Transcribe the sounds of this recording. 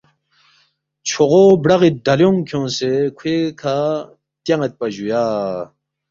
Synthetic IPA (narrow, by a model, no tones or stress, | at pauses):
t͡ɕʰoʁobɽɐɣid̪ɐljoŋkʰõnsekʰwekʰa | t̪jɐŋɐt̪̚pɐʑujaː